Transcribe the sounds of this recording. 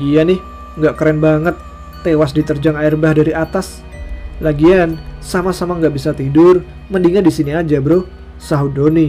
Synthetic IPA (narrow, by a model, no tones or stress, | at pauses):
ianɪh | ŋɡaʔkəɾɛnbaŋət̪ː | ewas̬dit̪ərd͡ʒaŋaɪrbahdaɾiʔat̪as | laɡiansamasamaŋɡaʔbisat̪idʊr | məndiŋadisiniad͡ʒabɾo | saɦudoni